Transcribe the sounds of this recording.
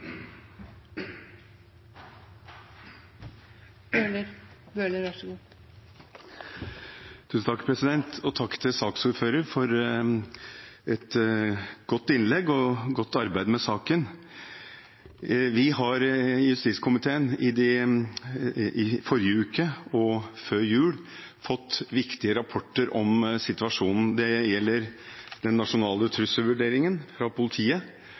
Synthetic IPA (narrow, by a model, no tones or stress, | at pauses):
bøləɾbøːləɾʋɑʂɡuː | t̪ʰʉːsn̩t̪ʰɑkpʰɾɛsɪd̪ɛnt̪ʰɔt̪ʰɑkːt̪ʰɪsɑːksuːɾføːɾəɾfɔɾ | ɛt̪ | ɡ̥ɔt̪ːɪnlɛɡːɔɡɔt̪ːɑɾbæɪd̪mɛsɑːkən | ʋɪhɑɾjʉst̪iskʰʊmɪt̪ʰeːənɪd̪ɛ | ɪfɔɾjəʉːkəɔføːɾjʉːɽ | fɔt̪ːʋɪkt̪ɪəɾɑpʰɔʈːəɾʔɔmsɪt̪ʉʋɑʂuːnn̩d̪ɛjɛlːəɾd̪ɛnːɑʂʊnɑːlət̪ʰɾʉsəʋʉɖeːɾɪŋənfɾɑpʊlɪt̪ʰiːə